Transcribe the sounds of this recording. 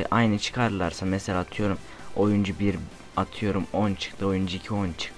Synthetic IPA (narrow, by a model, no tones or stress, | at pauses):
ʔajnɯt͡ʃʰɯ̥kʰaɾlˠaɾsamɛselʲaːt̪ʰɯjo̞ɾum | o̞jund͡ʒubiɾ | at̪ʰɯjo̞ɾumont͡ʃʰɯ̥k̚t̪ɯo̞jund͡ʒuicʰiont͡ʃʰɯ̥k̪̚